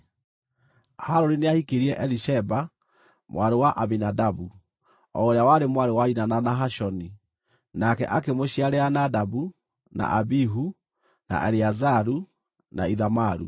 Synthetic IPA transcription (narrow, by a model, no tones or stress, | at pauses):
haɾɔɾineahikeɾiɛʔɛliʃɛba | mwaɾewaʔaβinadabu | ɔoɾeawaɾemwaɾewainananaɦaʃɔni | nakɛ̰ʔakemoɕiaɾɛanadabu | na̰ʔabiɦu | na̰ʔɛɾiazaɾu | na̰iðamaɾṵ